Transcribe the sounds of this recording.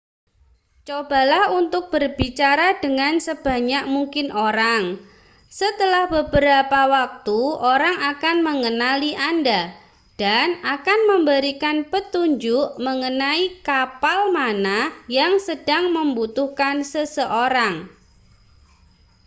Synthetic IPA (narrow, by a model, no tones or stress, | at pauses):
t͡ʃoba̤lahunt̪ʊk̚b̥ərbit͡ʃaɾadəŋansəb̥a̤ɲak̚muŋkɪnoɾaŋ | sət̪əlahbəbəɾapawak̚t̪uoɾaŋakanməŋənaliʔanda | d̥anakanməmbəɾikanpət̪uɲd͡ʒʊʔməŋənaikapalmanahjaŋsəd̥aŋməmbut̪uhkansəsəʔoɾaŋ